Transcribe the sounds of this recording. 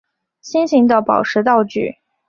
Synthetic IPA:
ɕi˥nɕi˧˥ŋd̪ə˧pɑ˨˩ʊʈ͡ʂʰɻ̩˧˥t̪ɑ˥˧ʊt͡ɕy̰˥˩

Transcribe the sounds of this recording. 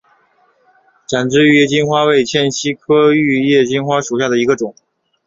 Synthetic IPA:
ʈ͡ʂa˨˩nʈ͡ʂɻ̩˥y˥˧jɛ˥˩t͡ɕi˥nxwa˥we˥˩ɪt͡ɕʰjɛ˥˩nɕi˥kʰɤ˥y˥˧jɛ˥˧t͡ɕi˥nxwa˥ʂu˨˩ɕja˥˩d̪ə˩i˧˥ɡə˧ʈ͡ʂʊ˨˩˦ŋ

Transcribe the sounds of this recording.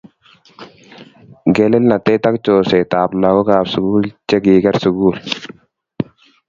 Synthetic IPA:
ɡɛ˨lɛ˦lna˨tɛ˦ta˦k̚t͡ʃoː˨sɛ˨ta˨bla˨ɡɔ˦kaː˨psʊ˨ɡuː˦lt͡ʃe˦ɡiː˨ɡɛ˦ɾsʊ˨ɡuː˦l

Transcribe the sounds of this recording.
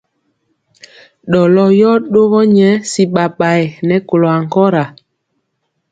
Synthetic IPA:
ɗɔ˨lɔ˦jɔ˦ɗo˦ɣɔ˦ɲɛ˨˦si˨ɓa˨ɓa˨ɛ˨nɛ˨˦ko˨lɔ˨a˨ŋ˨kɔ˦ɾa˨

